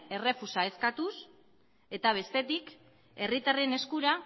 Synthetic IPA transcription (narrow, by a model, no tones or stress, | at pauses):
e̞re̞fusae̞skat̪us | e̞t̪aβ̞e̞st̪e̞t̪ik | e̞rit̪are̞ne̞skuɾa